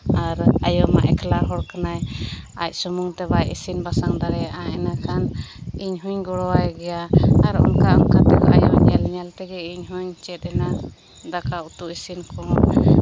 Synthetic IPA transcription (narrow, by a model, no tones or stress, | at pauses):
aɾajɔma̰ʔɛkʰlaɦɔɽkanaja̰c̚ˀsɔmuŋt̪ɛbajisinbasaŋd̪aɾɛjaʔaɛnakʰan | iɲɦuɲɡɔɽɔwajɡɛjaaɾɔ̰nkaamkat̪ɛkɔʔa̰jɲɛlɲɛlt̪ɛɡɛiɲɦuɲt͡ʃɛt̪̚ɛna | d̪akaut̪uʔisinkʰɔn